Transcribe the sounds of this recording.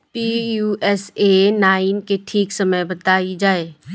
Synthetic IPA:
piːjuːɛsenaːɪnkeʈʰiːksɐməjbɐt̪aːid͡ʒaːeː

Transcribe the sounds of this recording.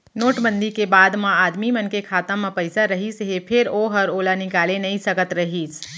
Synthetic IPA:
noːʈbə̃nd̪ikebaːd̪mãaːd̪mimənkekʰaːt̪ãmə̃pəɪsaɾəɦisɦepʰeɾoɦəɾoːlanɪkaːlenəisəkət̪ɾəɦit͡ʃʰ

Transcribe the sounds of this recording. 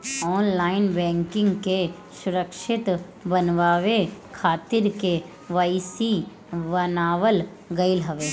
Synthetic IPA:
ɔːnlaːɪnbɛ̃ːŋkɪ̃ŋɡke | sʊɾəkʃɪt̪ | bənʋaːʋekʰaːt̪ɪɾke | ʋaisi | ʋənaːʋəl | ɡɐɪlɦəʋeː

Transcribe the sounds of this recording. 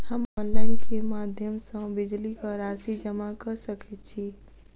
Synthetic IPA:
həmɔːnlaːɪnkemaːd̪ʱjəmsãbɪd͡ʒlikɔɾaːsid͡ʒəmakɐɾsəkʰɛt̪̚t͡ʃʰiː

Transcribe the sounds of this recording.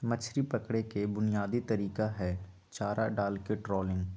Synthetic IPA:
mət͡ʃʰɾipɐkɽekebʊnijaːd̪it̪ɐɾiːkaɦɛ | t͡ʃaːɾaɖaːlkeʈɾɔːlɪ̃ŋɡ

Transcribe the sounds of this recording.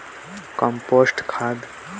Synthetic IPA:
kə̃mpoːsʈkʰaːd̪

